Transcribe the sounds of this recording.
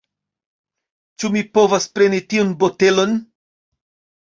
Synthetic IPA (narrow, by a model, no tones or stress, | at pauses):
t͡ʃumipo̞vaspɾe̞nitiunbote̞lo̞n